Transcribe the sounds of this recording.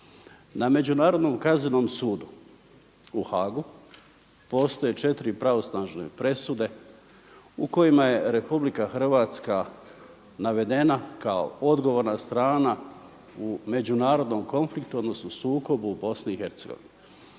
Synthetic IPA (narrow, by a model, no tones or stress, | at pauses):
name̞d͡ʑunaːɾo̞d̪no̞ːmkazinoːmsuːd̪u | uxaːɡu | po̞ːst̪o̞je̞t͡ʃe̞t̪iɾipɾaʋo̞snaːʒnḛpɾe̞sud̪e̞ | uko̞jimaje̞ɾe̞publikaxr̩ʋaːt̪ska | naʋe̞d̪e̞nakao̰od̪ɡo̞ʋoɾnast̪ɾaːna | ume̞d͡ʑunaːɾo̞d̪no̞mko̞nflikt̪uo̞d̪no̞snosuːko̞bubo̞sniːxe̞ɾt̪seɡoʋḭne